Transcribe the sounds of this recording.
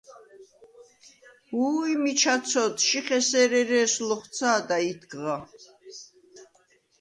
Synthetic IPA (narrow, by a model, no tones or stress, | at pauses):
huːimit͡ʃʰasʰɔt̪ʰʃiχɛsɛɾɛɾɛːslɔχt̪sʰaːd̪ait̪ʰɡʁa